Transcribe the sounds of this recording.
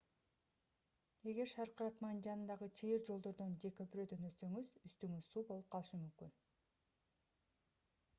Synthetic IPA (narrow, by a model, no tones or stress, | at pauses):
e̞ɡe̞ɾʃɑɾqɯɾɑt̪mɑnɯnd͡ʒɑnɯnd̪ɑʁɯt͡ʃʰijiɾd͡ʒo̞lˠd̪o̞ɾd̪o̞nd͡ʒe̞køpyɾø̞d̪ø̞nø̞ssø̞ŋyzyst̪yŋyz̥suːbo̞lˠup̚qʰɑlˠɯʃɯmymkyn